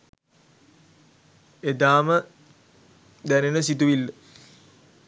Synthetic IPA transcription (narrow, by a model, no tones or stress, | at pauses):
ed̪aːmə | d̪ænenəsit̪uʋilːə